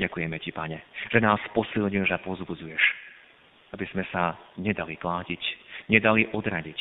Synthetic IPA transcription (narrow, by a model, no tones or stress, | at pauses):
ɟakujɛmɛcipaɲɛʒ̥ɛnaːspɔsilɲilʒapɔzbud͡zujɛʃ | abiz̥mɛsaɲɛd̪aliklaːcicɲɛd̪aliʔɔd̪ɾaɟic